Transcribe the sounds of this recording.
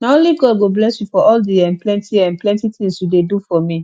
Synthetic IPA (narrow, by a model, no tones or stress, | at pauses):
naõliɡɔdɡoblɛsjufɔʔɔldiɛ̃nplɛ̃ntʰiɛ̃nplɛ̃ntitĩŋsjudedufɔmĩ